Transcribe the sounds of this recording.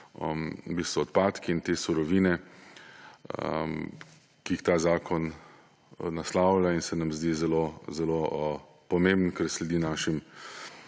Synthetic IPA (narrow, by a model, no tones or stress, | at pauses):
bist̪ɔːt̪̚paːt̪kiːnt̪eːsuɾɔʋiːnɛ | kiixt̪aːzaːkʰɔn | naslawlainsɛnamzd̪iːzɛloːzɛlo | pɔmembnkɛɾslɛd̪iːnaːʃim